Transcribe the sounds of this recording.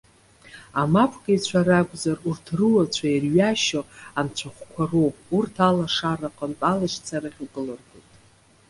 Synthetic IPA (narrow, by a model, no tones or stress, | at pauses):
amapʷʰɡait͡ɕʷʰaɾaɡʷʼzarurtʰrɨwat͡ɕʷʰajarɥaʃoant͡ɕʷʰaχʷkʷʰarourtʰalaʂaraqʼəntʼalaʃt͡sʰaɾaχʲuɡʼɨlɨrɡojtʼ